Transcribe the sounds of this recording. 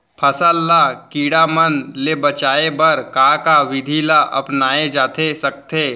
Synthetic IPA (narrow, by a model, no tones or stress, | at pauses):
pʰəsəlːakiːɽamənlebət͡ʃaːebɐɾkaːkaʋɪd̪ʱilaʔɐ̰pnaːed͡ʒaːt̪ʰesək̚t̪ʰe